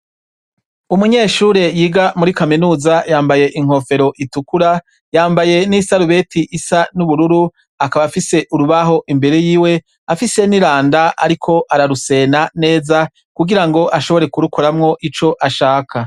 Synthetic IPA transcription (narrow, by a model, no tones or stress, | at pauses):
umuɲeːʃuːɾe̞jiːɡamuɾikaminuːzajaːmbaje̞ʔiŋ̥ho̞fe̞ɾo̞ʔitukuɾa | jaːmbaje̞nisaɾuβe̞tʰiʔisanuβuɾuɾu | akaβafise̞ʔuɾuβaɦo̞ʔimbe̞ɾe̞jiːwe | afise̞niɾaːndaa̰ɾikʰo̞ʔaɾaɾuse̞ːnane̞ːza | kuɡiɾaŋɡo̞ʔaʃo̞βo̞ɾe̞kuɾukoɾamŋo̞ʔit͡ʃo̞ʔaʃaːkʰa